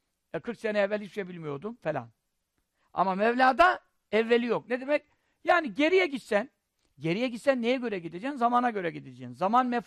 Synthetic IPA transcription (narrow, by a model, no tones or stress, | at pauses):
ɛkʰɯɾksenɛɛvːɛlʲhiʃebilʲmijo̞ɾd̪umfelʲa̰n | a̰mamɛvlʲaːd̪a | ɛvːelʲijokned̪emɛc̚ | jaːniɟe̞ɾijɛɟit̪sæn | ɟe̞ɾijɛɟit̪sænːejɛɟø̞ɾɛɟid̪ed͡ʒɛːnzamaːnaɟø̞ɾɛɟid̪ed͡ʒɛːnzamanmɛf